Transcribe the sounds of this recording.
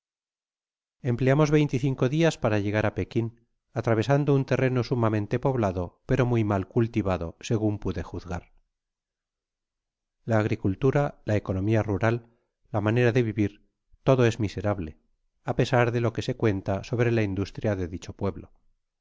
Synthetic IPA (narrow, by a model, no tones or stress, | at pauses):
e̞mple̞amo̞zβe̞jnt̪iθiŋko̞ðiaspaɾaʝe̞ɣaɾape̞kin | at̪ɾaβe̞sand̪ount̪e̞re̞no̞sumamẽnt̪e̞po̞βlaðo̞pe̞ɾo̞mujmalkult̪iβaðo̞̰se̞ɣ̞umpuðe̞xuθɣaɾ | laːɣɾikult̪uɾalae̞ko̞no̞miaruɾalː | amane̞ɾaðe̞βiβiɾ | t̪o̞ðo̞e̞zmise̞ɾaβle̞ | ape̞saɾðe̞lo̞ke̞se̞kwe̞nt̪aso̞βɾe̞laind̪ust̪ɾjaðe̞ðit͡ʃo̞pwe̞βlo̞